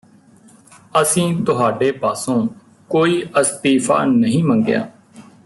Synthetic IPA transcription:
əsĩːt̪ʊɦaːɖeːpaːsõː | koːiːʔəst̪iːfʰa̰ːnəɦĩːməŋɡɪja̰ː

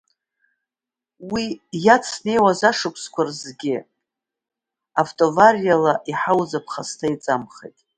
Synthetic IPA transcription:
wijat͡sʰne̞jwazaʂɨkʷʰʼskʷʰarzɡʲɪ | aftʼovarijalaʔiħawzapʰχastʰait͡sʼamχḛjtʼ

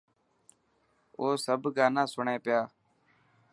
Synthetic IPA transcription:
oːsəbɡaːnãːsʊɳẽːpɪjaː

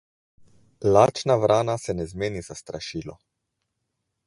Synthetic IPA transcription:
laːt͡ʃnavɾaːnasɛnɛzmeːnizast̪ɾaʃiːlɔ̰

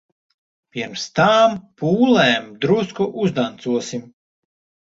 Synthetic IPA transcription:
pʲiɾmst̪aːmpuːlˠɛːmd̪ɾuskɔʔuzd̪ant̪suɔsim

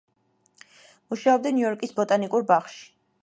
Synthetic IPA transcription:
muʃaɔb̚d̪aniɔɾkʼisbɔt̪ʼanikʼuɾbaχʃi̥

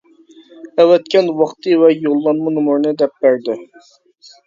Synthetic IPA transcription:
ɛwɛt̪̚kʲɛnwɑχt̪ɨwɛjolˠːɑnmɨnɨmuɾnɨd̪ɛp̚bæɾd̪ɪ

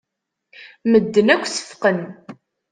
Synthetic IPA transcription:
məd̪ːənækʷːsə̥fqən

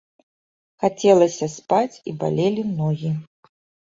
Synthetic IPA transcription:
xat͡sʲɛlˠɐsʲɐspat͡sʲḭba̰lʲelʲimnɔɣʲi

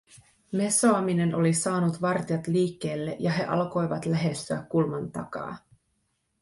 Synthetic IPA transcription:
me̞soɑmine̞no̞lisɑːnut̪ʋɑrt̪iɑt̪liːkːe̞ːlːe̞ʔjɑɦe̞ʔɑlko̞jʋɑt̪læɦe̞st̪yæ̰kːulmɑnt̪ɑ̰kɑ̰ː

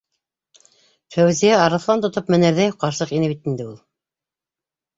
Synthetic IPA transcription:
fæwzijæɑɾɤ̆θlˠɑnt̪ŏt̪opmɘ̆næɾðæjqɑɾsɤqinɘβit̪ind̪ɘulˠ

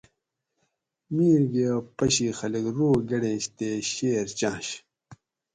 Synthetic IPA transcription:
miːɾɡeopɐɕiːxɐliɡɾoːɡɐɽẽːɕt̪eːɕeːɾt͡ɕãːɕ

